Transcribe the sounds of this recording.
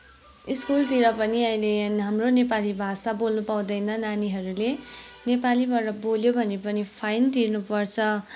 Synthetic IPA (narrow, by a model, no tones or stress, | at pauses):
iskult̪iɾʌpʌniʌĩleɦamronepalibʱasabolnupaw̃d̪ʌjnʌnaniɦʌɾulenepalibʌɾʌboljobʱʌnepʌnipʰajnt̪irnupʌrt͡sʰʌ